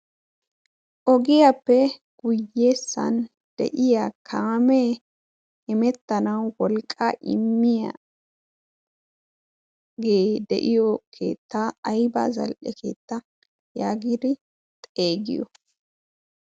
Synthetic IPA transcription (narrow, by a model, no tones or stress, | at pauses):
ʔɔɡɪjapːɛɡ̥ʊjːe̞ːsːɐ̰n | d̪̥ɛ̰ʔɪjakʰaːmeː | ɪmɛt̪ːɐnɐwwɔlkʼːaʔɪ̰mːɪjɐ̰ | ɡe̞ːd̪ɛ̰ʔɪjɔkʰe̞̰ːt̪ːaɐjba̰zɐ̰lʔɛkʰe̞̰ːt̪ːɐ | jaːɡid̪ɪ | t̪ʼe̞ːɡɪ̰jɔ̰